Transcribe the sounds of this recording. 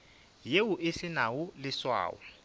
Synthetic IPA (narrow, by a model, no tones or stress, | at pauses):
jewuʔɪsɪnawulɪswa̰ːwɛ